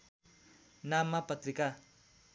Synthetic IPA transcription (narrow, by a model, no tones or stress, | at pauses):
namːapʌt̪rika